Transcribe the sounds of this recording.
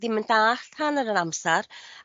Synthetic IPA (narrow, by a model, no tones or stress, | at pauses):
ðiməndaːɬhanəɾənamsaɾ